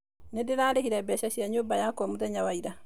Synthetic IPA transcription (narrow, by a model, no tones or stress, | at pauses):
nedeɾaːɾehiɾabɛɕaɕiaɲobajakɔmuðɛɲawaiɾa